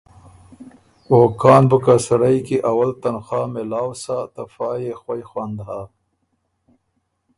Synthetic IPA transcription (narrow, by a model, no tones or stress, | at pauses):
okɑːnbəkasaɾajkiʔawalt̪anxɑːmelaːwsat̪afɑːjexwajxwand̪ɦa